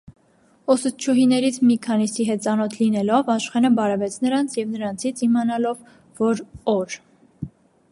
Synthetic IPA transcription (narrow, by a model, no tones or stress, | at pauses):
ɔsut̪̚t͡ʃʰuɦinɛɾit͡sʰmikʰɑnisiɦɛt̪̚t͡sɑnɔt̪ʰlinɛlɔvɑʃχɛnəbɑɾɛvɛt͡sʰnəɾɑnt͡sʰjɛvnəɾɑnt͡sʰit͡sʰimɑnɑlɔvː | ɔɾɔɾ